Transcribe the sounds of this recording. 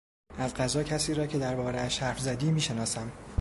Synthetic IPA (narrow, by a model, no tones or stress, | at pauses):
ʔæzɢæzɒːcʰæsiːɾɒːcʰe̞d̪æɾbɒːɾeæʃhæɾfzæd̪iːmiːʃe̞nɒːsæm